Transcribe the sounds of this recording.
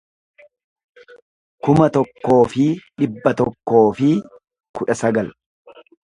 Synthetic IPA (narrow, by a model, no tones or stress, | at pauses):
kʊmɐt̪ɔkːo̞ːfɪᶑɪbːɐt̪ɔkːo̞ːfɪ | kʊᶑɐsɐɡɐl